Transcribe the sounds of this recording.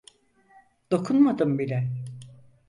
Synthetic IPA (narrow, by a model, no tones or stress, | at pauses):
d̪̥o̞kʰunmad̪ɯmbilʲɛ